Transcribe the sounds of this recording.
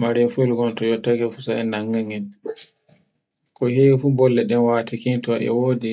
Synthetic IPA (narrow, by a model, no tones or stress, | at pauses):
maɾɛfulɡɔntɔjɔtːakɛfusaɛnːaŋːaŋɛn | kɔhefubɔlːɛɗɛnwatikintɔʔɛ̰wodi